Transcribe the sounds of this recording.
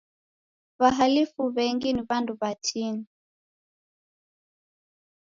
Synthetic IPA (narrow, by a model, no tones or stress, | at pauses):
βaɦalifuβɛŋɡiniβanduβat͡ʃini